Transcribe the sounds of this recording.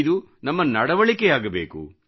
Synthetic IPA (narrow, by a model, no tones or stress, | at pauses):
d̪u | nɐmːɐnɐɽɐʋɐɭikejaːɡɐbe̞ːkṵ